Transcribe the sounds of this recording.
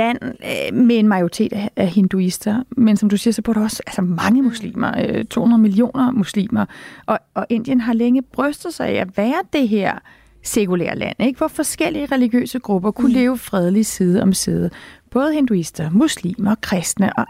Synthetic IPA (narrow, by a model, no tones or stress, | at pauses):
læn̰mee̝nmɑ̈ɪoʁit͡sʰḛːd̥ææhe̝nd̥uisd̥ɐmensɒ̽md̥usiːɐsɒb̥uɐɾ̥uɒ̽sælsɐmɑ̈ŋəmuslḭːmɐøt͡sʰo̝̰ːhunɐð̩ˠmilio̝̰ːnɐmuslḭːmɐʔɒ̽ɒʔe̝n̰d̥jənɦɑ̈leŋəb̥ʁœsd̥ð̩ˠsɑ̈ɪæʋæːɐd̥e̝ɦeɐ̰ | se̝kʰulḛɐ̰læ̰n̰eɡ̥ʋɒfɒ̽sɡ̥el̰iəʁɛliɡ̥jø̰ːsəɡ̥ʁub̥ɐkʰule̝ːʊfʁɛð̞ˠlisið̞ˠɒ̽msið̩ˠb̥ɔ̽ːð̞ˠəhe̝nd̥uisd̥ɐmuslḭːmɐkʰʁɛsd̥nəʔɒ̽